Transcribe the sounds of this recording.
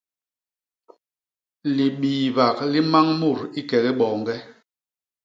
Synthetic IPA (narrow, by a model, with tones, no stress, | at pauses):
li˨ɓiː˨va˨k̚li˦ma˦ŋmu˦˨ɾi˦kɛ˨ɣi˦ɓɔː˨ŋɡɛ˦